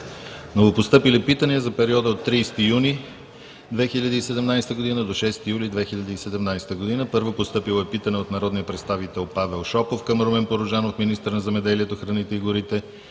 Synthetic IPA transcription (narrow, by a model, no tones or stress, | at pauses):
novopost̪ɤpilɛpit̪əniəzɐpɛɾiɔd̪əot̪ːɾiːst̪ijuni | d̪vɛxiʎʲəd̪iːsɛd̪ɛmnajst̪əɡod̪inəd̪oʃɛst̪ijulid̪vɛxiʎʲəd̪iːsɛd̪ɛmnajst̪əɡod̪inəpɤɾvopost̪ɤpilˠoɛpit̪ənɛot̪nɐɾɔd̪nijəpɾɛt̪st̪avit̪ɛlˠpavɛlˠʃɔpofkəmɾomɛnpoɾoʒanofminist̪əɾnɐzɛmɛd̪ɛliɛt̪oxɾɐnit̪ɛiɡʊɾit̪ɛ